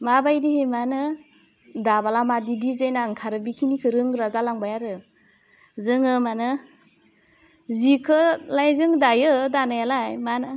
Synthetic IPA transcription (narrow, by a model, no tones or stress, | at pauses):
mabajdihemanɯ | dabalamadidizajnaŋkʰaɾɯbikʰinikʰɯɾɯŋɾazalaŋbajaɾɯ | zɯŋɯmanɯ | zikʰɯlajzɯŋdajɯdanajalajmanɯ